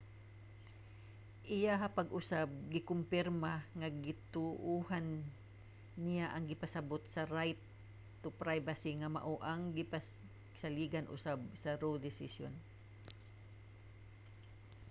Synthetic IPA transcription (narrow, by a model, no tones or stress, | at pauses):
ʔɪjaɦɐpɐɡʔʊsab̚ɡɪkʊmpɪɾmaŋaɡɪt̪ʊʔuɦanː | ɪjaʔɐŋɡɪpasabot̪̚sɐɾajt̪ː | ʊpɾajbasiŋɐma̰ʔoʔaŋɡɪpa | saliːɡanʔʊ̰sabsɐɾod̪ɪsɪsjo̰n